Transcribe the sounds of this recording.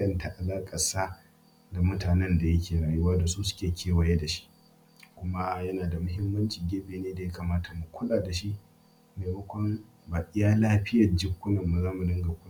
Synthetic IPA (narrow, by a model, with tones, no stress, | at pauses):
jɐ˨nta˨ʔa˨laː˦kʼɐ˨saː˦ | da˨mʊ˦taː˨nɛ˦nda˨jɐ˦kʲeː˨ɽaː˨jʊ˦waː˦da˨suː˦sʊ̥˦kʲeː˨kʲʰeː˦wɐ˨je˦da˨ʃi̥˦ʔ | kʷʊ˦ma˦jɐ˦naː˨da˨mʊ˦ɦɪ˦mːɐ˦nt͡ʃɪ˨ŋɡʲeː˦beː˨neː˦da˨ja˦kaː˨maː˦ta˨mʊ˨kʷʊ˦laː˨da˨ʃi˦ʔ | meː˨mɐ˦kʷɔ˦m | baː˨ʔɪ˦jaː˦laː˦ɸɪ˦jɐ˨rd͡ʒɪ˦kʷːʊ˦nɐ˨mːa˨zaː˦mu˨dɪ˦ŋɡa˨kʷʊ˦n˦